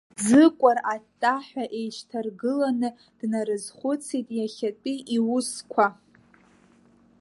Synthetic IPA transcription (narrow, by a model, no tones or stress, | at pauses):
d͡zɨkʷʼaratʼːaħʷᶣaʔe̞jʃtʰarɡɨlanɨ | d̥naɾɨzχʷʊt͡sʰitʼjaχʲat͡pʷʼiʔiwʊskʷʰa